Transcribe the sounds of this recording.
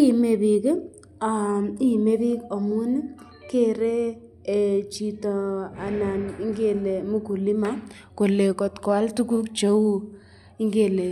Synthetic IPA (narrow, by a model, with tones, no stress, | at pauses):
i˦me˨pi˨kɪ˦ | a˨i˦me˦pi˦kɔ˨mu˦n˦ | ke˦ɾe˦˨ | t͡ʃi˨tɔ˨a˨na˨ni˦ŋɡe˦˨le˨mu˦ku˨li˦ma˦ | ko˨le˨kɔ˨tkɔ˨a˦ltu˦ku˦k̚t͡ʃe˨˦u˦ | i˦ŋɡe˦˨le˨